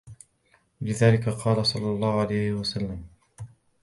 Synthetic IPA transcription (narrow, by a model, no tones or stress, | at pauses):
lɪðaːlɪkaqʰɑːlasˤɑlːɑlˤːɑːhʕalajhɪwasalːam